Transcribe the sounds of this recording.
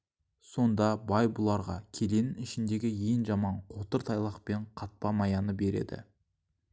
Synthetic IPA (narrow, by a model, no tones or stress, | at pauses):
so̞nd̪ɑbɑjbʊlˠɑɾʁɑ̰kʲʰe̞le̞nɪnɪʃɪnd̪e̞ɡʲɪje̞ŋʒɑmɑɴqʰo̞t̪əɾt̪ʰɑjlˠɑqpe̞ɴqʰɑt̪̚pɑmɑjɑnəbe̞ɾe̞̰d̪ɪ̰